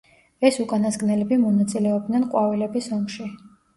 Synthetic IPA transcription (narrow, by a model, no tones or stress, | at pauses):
ɛsukʼanasɡnɛlɛbimɔnat̪sʼilɛɔb̚d̪nɛnqʼwavilɛbisɔmʃi